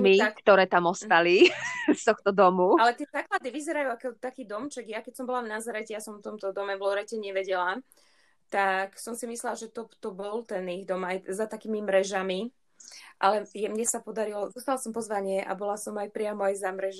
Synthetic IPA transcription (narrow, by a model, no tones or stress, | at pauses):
miakt̪ɔɾɛːt̪amɔst̪alist̪ɔxt̪ɔd̪ɔmualɛt̪ɪɛzaːklad̪iʋizɛɾajuakɔt̪akiːd̪ɔmt͡ʃɛɡjakɛcsɔmbɔlavnazaɾɛcɛjasɔmft̪ɔmt̪ɔd̪ɔmɛʋlɔɾɛcɛɲɛʋɛɟɛla | t̪aksɔmsimislɛlaʒɛt̪ɔt̪ɔbɔlt̪ɛniɣd̪ɔmajzat̪akiːmimɾɛʒami | ʔalɛjɛmɲɛsapɔd̪aɾilɔzuːst̪alasɔmpɔzʋaɲɪɛʔa̰bɔlasɔmajpɾɪamɔajzamɾɛʒ